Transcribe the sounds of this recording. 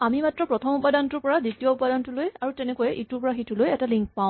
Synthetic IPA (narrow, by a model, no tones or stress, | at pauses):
amimatɹɔpɹɔtʰɔmupadantʊɹpɔɹaditijɔupadantulojaɹutɛnɛkɔjɛʔituɹpɔɹaxitulojɛtaliŋk̚paw̃